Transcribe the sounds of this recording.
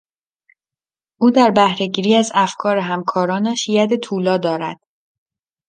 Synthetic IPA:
ʔuːd̪æɾbæhɾe̞ɟiːɾiːæzæfkʰɒːɾeɦæmkʰɒːɾɒːnæʃjæd̪e̞t̪ʰuːlɒːd̪ɒːɾæ̰d̪̥

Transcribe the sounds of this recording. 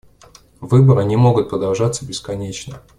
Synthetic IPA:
vɨbəɾɨnʲɪmo̞ɡʊt̪̚pɾəd̪ɐlˠʐat̪sːəbʲɪskɐnʲet͡ɕnə

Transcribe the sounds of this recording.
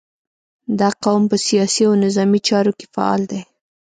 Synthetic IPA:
d̪ɑqawmpəsijɑsiawnɪzɑmit͡ʃɑɾoke̥fa̰ɑ̰ld̪e

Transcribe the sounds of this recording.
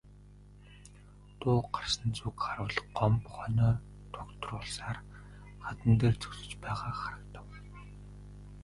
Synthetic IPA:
t̪ʊːɢarsə̆nt͡sukχarwə̆ɮɢɔmpχɔnʲœː | t̪ʰʊkt̪rʊːɮsaːr | χat̪ə̆nt̪eːrt͡sɵ̥ksɵ̆t͡ɕpæːʁaːχaɾə̆kt̪ə̆w

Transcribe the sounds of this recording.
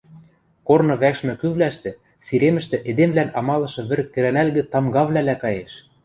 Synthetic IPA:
kornɤ̆βækʃmɘ̆kyβlæʃt̪ɘ̆ | siɾemɘ̆ʃt̪ɘ̆ʔed̪emvlænɑmɑlɤ̆ʃɤ̆βɘ̆rkːɘ̆ɾænælɣɘ̆t̪ɑmɡɑβlælækɑjeʃ

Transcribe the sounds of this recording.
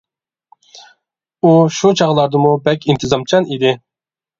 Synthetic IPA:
uʃut͡ʃʰɑʁlˠɑɾd̪əmubɛkʲʰint̪ʰɨzɑmt͡ʃʰɑnid̪ɪ

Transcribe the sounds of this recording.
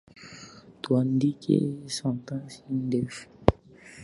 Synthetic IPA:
t̪wand̪ikḛsãnt̪ãsind̪ef

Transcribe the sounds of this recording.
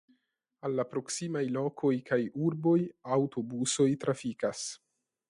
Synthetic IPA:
alːapɾo̞ksimajlo̞kʰo̞jkajuɾbo̞jawto̞buso̞jtɾafikas

